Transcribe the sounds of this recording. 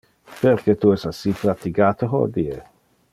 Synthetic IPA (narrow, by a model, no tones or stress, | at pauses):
perket̪uɛsasiplat̪iɡaːt̪oɦɔ̰d̪ie